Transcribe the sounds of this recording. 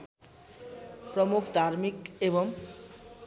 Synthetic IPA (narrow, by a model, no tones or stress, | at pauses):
pɾomukʰd̪ʱaɾmikeβoŋ